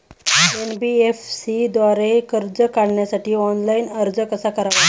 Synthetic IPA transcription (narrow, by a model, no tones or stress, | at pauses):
enbiefsid̪ʋaɾekəɾd͡zəkaɽɳjasaʈiːɔnlainəɾd͡zəkəsakəɾaʋ